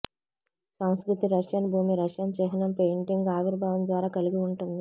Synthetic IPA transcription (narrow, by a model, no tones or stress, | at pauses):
sɐw̃skɾut̪iɾɐʂjɐnbʱuːmiɾɐʂjɐnt͡ʃɛːɦɐnɐmpejɳʈiŋɡaːʋiɾbʱaːʋɐmd̪ʋaːɾaːkɐliɡiuɳʈund̪i